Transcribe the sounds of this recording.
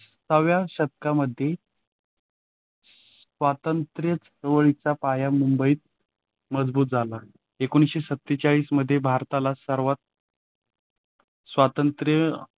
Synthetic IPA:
səʋjaɕət̪̚kaməd̪ʱːje | ʋat̪ənt̪ɾjət͡səɾʋəɭit͡sapajamumbəiːt̪̚ | məd͡zbuːt̪̚d͡zʱala | ekoñisɕesət̪ːit͡saɭiːsməd̪ʱːjebʱaɾt̪alasəɾʋat̪̚ | sʋat̪ənt̪ɾjə

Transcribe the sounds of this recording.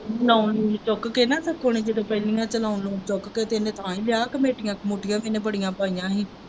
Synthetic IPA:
laːʊnːt͡ʃokkeːnãːsəkʰːoːneːd͡ʒɪd̪õːpɛːlɪjãːt͡ʃəlaːʊnlõːt͡ʃokket̪enẽːt̪ʰãːiːlɪjaːkəmeːʈɪjãːkmoːʈɪjãːmeːnẽːpəɽɪjãːpaːijãːɦiː

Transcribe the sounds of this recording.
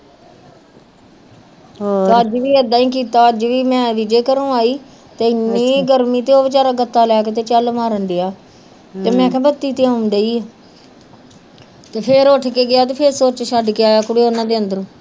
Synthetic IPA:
t̪ːəd͡ʒʋiːəd̪aːĩːkiːt̪aːəd͡ʒʋiːmɛ̃ːʋid͡ʒeːkəɾũːaːiː | t̪eːɪnːiːɡəɾmiːt̪eːoːʋɪt͡ʃaːɾaːɡət̪ːaːlɛːkeːt̪eːt͡ʃəlmaːɾənd̪eaː | t̪eːmɛ̃ːkʰɛ̃ːbət̪ːiːt̪ɪãːʊmd̪eiː | t̪eːpʰɪɾoːʈʰkeːɡɪjaːt̪̬eːpʰeɾsoːɾt͡ʃʃəɖkeːaːjaːkʊɽeːoːnãːd̪eːənd̪əɾ̃ː

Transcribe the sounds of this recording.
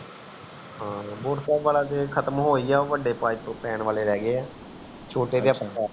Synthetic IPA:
ɦãːboːʈsɛːbʋaːlaːd͡ʒeːkʰət̪mɦoːiːɛːoʋəɖːeːpaːit̪õːpɛːnʋaːleːɾɛːɡeːɛː | t͡ʃʰoːʈeːd̪ejaːpəaː

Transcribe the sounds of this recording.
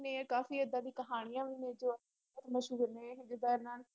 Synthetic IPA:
nẽːkaːfiːəd̪aːd̪iːkəɦaːɽ̃ɪjãːʋɪnẽːd͡ʒoːə | ət̪məʃuːɡənẽːɦɪ̃d͡ʒɪd̪aːɾnaːl

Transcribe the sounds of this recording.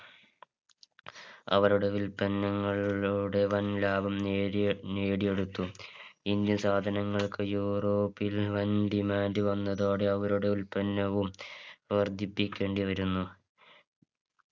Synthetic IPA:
ɐ̰ʋɐɾuɽeʋilpɐnːɐŋːɐɭuɽe̞ʋɐnlaːbʱɐm | neːɽije̞ɽut̪ːuind̪jɐnsaːd̪ʱɐnɐŋːɐɭkɨjuːro̞ːpːilʋɐnɖimaːndɨʋɐnːɐðo̞ːɽe̞ɐʋɐɾuɽeʋilpɐnːɐʋumʋɐrd̪ʱːipːikʲːe̞ːɳɖiʋɐɾunːu

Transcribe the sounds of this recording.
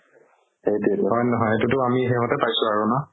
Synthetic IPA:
ejdiɦɔjnɔɦɔjetutʊamiɦemɔtɛpajsʊaɹuna

